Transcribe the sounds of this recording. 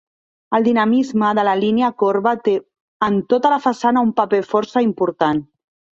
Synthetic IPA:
əlˠd̪inamizməðələlineakoɾβat̪e | ənt̪ot̪əlafasanaumpapefɔɾsəimpuɾt̪an

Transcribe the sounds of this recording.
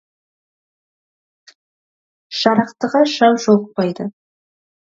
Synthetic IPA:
ʃɑɾɑqt̪əʁɑʃɑwʒoq̚pɑjd̪ə

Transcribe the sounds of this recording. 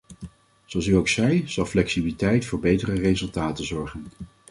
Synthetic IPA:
zoɑlˠs̬yowksɛjz̥ɑlˠflɛksibilitɛjtfʊːɹbejtərərezɵlˠtaːtəzɔɹχən

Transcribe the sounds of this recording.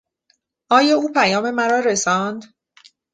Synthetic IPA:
ʔɒːjɒːuːpʰæjɒːme̞mæɾɒːɾesɒnd̪

